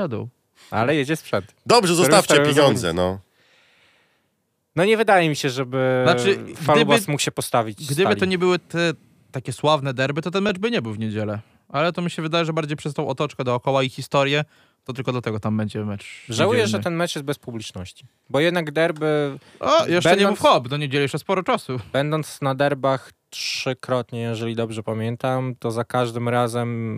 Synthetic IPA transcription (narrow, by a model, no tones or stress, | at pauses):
ad̪ɛ̰w | a̰lɛjɛd͡ʑɛspʂɛnt̪d̪ɔbʐɛzɔsaft͡ɕ̪ɛpʲjeɲɔnd̪zɛ̰nɔ | nɔɲɛvɘd̪ajɛmʲiɕɛʐɛbɘnat͡ʂɘɡfdalɪbasmukɕɛpɔst̪avʲit͡ɕɡd̪ɘbaɘɔɲɛbɘwɘt̪ɛ | t̪akʲɛswavnɛd̪ɛɾbɘt̪ɔt̪ɛnmɛd͡ʐbɘɲɛbɘwvɲed͡ʑɛlɛ | alɛt̪ɔmʲiɕɛvɘd̪ajɛʐɛbaɾd͡ʑejpʂɛst̪ɔ̃w̃ɔt̪ɔt͡ʂkɛd̪ɔːkɔwaixʲist̪ɔɾjɛ | t̪ɔt̪ɘlkɔd̪lat̪ɛɡɔt̪ambɛɲd͡ʑɛmɛt͡ʂʐawujɛʐɛt̪ɛnmɛt͡ʂjɛst̪̚bɛspublʲit͡ʂnɔɕt͡ɕi | bɔjɛd̪naɡd̪ɛɾbɘ | ɔjɛʃbɛɲɲɛbɘwxɔbd̪ɔɲed͡ʑɛlɛɛɛspɔɾɔt͡ʂasub̥ɛnd̪ɔnt̪snad̪ɛɾbaxtʂɘkɾɔt̪ɲɛjɛʐɛlʲid̪ɔbʐɛpamʲjɛnt̪amt̪ɔzakaʐd̪ɘmɾazɛm